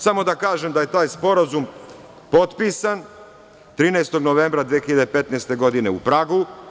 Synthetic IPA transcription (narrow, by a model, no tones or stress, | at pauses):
samo̞d̪akaːʒemd̪aje̞t̪aːjspo̞ɾazum | po̞t̪piːsan | t̪ɾiːnejst̪o̞ɡno̞ʋe̞mbɾad̪ʋiexiʎad̪epe̞t̪nest̪e̞ɡo̞d̪ine̞upɾaɡu